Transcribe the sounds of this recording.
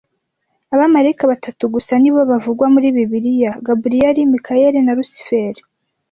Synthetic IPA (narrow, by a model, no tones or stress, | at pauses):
aβamaɾeikaβatʰatuɡusaniβoβavuɡwamuɾiːβiβiɾijaɡabuɾijaɾimikʰajeɾenaɾusi̥feɾe